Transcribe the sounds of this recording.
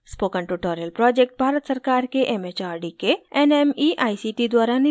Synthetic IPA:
spoːkəɳʈuʈoːɾijəlpɾɔːd͡ʒek̚ʈ̚bʱaːɾət̪sɐɾkaːɾkeʔemet͡ʃaːɾɖikeɛnemiʔaːisiʈid̪waːɾan

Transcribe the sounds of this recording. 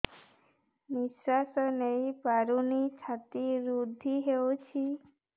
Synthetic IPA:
niswasɔnejpaɾunisʰat̪iɾud̪ʱːiɦewt͡ʃʰi

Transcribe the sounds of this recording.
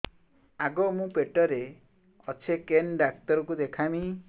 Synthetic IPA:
aɡɔmũpeʈɔɾe | ɔt͡ʃʰekenɖak̚t̪ɔɾɔkud̪ekʰami

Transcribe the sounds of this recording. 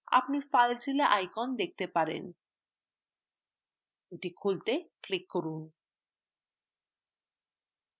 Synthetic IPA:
a̰pnifalt͡ɕʰileʔajkɔnd̪ek̚t̪epaɾḛn | eʈikʰult̪eklikːoɾun

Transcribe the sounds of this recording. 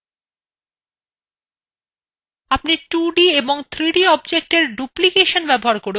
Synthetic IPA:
apniʈuɖieboŋt̪ʰɾiɖiɔbd͡ʑek̚ʈeɾɖuplikeʃonbɛboɦaɾkoɾe

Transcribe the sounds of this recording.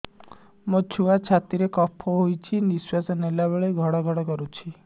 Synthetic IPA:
mot͡ʃʰuat͡ʃʰat̪iɾekɔpʰoɦojt͡ʃʰiniswasɔnelabeɭeɡʱɔɽɔɡʱɔɽɔkɔɾut͡ʃʰi

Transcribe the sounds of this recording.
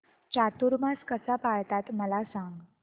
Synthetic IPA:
t͡ɕat̪uɾmaskəsapaɭt̪at̪məlasãŋɡ

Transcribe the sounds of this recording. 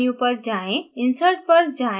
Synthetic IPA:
iũpəɾd͡ʒaːẽɪnsəɾʈ̚pəɾd͡ʒaː

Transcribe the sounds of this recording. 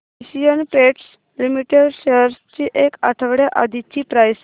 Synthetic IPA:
iɕijənpeʈs | limiʈeɖɕeɾst͡ɕiːʔekaʈʰəʋɽjaʔa̰d̪ʱit͡ɕiːpɾajs

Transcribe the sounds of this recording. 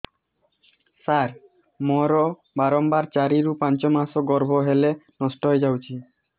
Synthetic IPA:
saɾ | mɔɾɔ | baɾɔmbaɾt͡ʃaɾiɾupant͡ʃɔmasɔɡɔɾbʱɔɦelenɔsʈɔɦɔjd͡ʒawt͡ʃʰi

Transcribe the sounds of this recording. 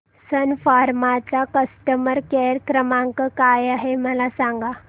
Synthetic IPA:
sənfaɾmat͡sakəsʈəməɾkeɾkɾəmãŋkəkajaɦeməlasãŋɡa

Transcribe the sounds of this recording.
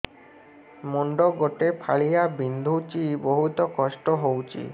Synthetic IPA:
moɳɖoɡoʈepʰaɭijabind̪ʱut͡ɕiboɦut̪okɔʃʈoɦowt͡ɕḭ

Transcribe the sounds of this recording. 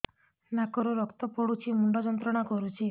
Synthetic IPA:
nakɔɾɔɾɔkt̪ɔpɔɽut͡ʃʰimuɳɖɔd͡ʒɔnt̪ɾɔɽ̃akɔɾut͡ʃʰi

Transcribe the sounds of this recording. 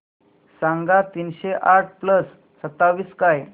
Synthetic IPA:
sãŋɡat̪iːnɕeʔaʈ̚ʰpləsː | ət̪ːaʋiːskaj

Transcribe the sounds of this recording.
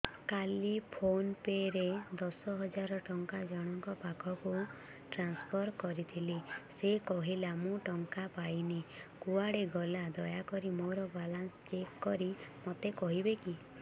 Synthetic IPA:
kalipʰonpeɾed̪ɔsɔɦɔd͡ʒaɾɔʈɔŋkad͡ʒaɽ̃ɔŋkɔpakʰɔku | ʈɾanspʰɔɾkɔɾit̪ʰilesekɔɦilamũʈɔŋkapajnikuaɽeɡɔlad̪ɔjakɔɾimoɾɔbalanst͡ʃekːɔɾimot̪ekɔɦibeki

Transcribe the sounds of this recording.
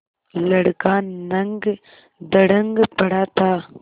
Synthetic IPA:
lɐɽɡaːnːɐŋɡ | d̪ɐɽɐŋɡpɐɽaːt̪aː

